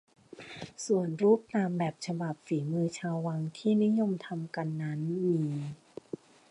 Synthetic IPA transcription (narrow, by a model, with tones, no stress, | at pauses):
su˨˩ənɾuː˦˥˩p̚t̪aː˧mbɛː˨˩p̚t͡ɕʰa˧ba˨˩p̚fiː˩˦mɯː˧t͡ɕʰaː˧wwa˧ŋt̪ʰiː˥˩ni˦˥jo˧mt̪ʰa˧mka˧nːa˦˥nmiː˧